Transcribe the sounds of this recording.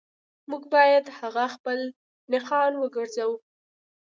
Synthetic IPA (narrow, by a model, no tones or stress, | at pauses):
muɡbɑjad̪haɣaxpəl | nɪqɑnwəɡəɾzawu